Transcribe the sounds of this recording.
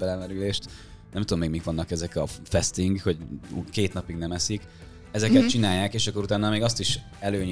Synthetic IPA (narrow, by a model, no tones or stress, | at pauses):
bɛlɛmɛɾyleːʃt̪ | nɛmt̪ud̪omːeːɡmikʋɒnːɒkɛzɛkɒfɛst̪iŋɡho̞ɟkeːt̪nɒpiɡnɛmɛsik | ɛzɛkɛt̪̚t͡ʃinaːjːaːkeːʃɒkːo̞ɾut̪aːnːɒmeːɡɒst̪iʃ | ɛløːɲ